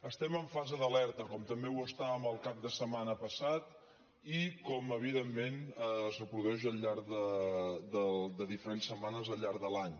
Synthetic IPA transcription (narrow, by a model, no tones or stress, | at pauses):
əst̪ɛməɱfazəðəlɛɾt̪əkɔmt̪əmbewəst̪aβəməlˠkap̚d̪əsəmanəpəsat̪ | ikɔməβ̞iðemːenəsəpɾuðɛʒəʎʎaɾðəd̪əd̪əðifəɾensəmanəzəʎːaɾðəlaɲ